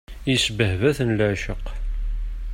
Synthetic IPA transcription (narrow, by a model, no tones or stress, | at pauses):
isbəhvæθənləʕʃəq